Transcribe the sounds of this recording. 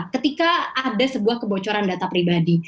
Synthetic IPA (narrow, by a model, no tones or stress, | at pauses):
kət̪ikaːdasəbuahkəbot͡ʃɔɾandat̪apɾibadi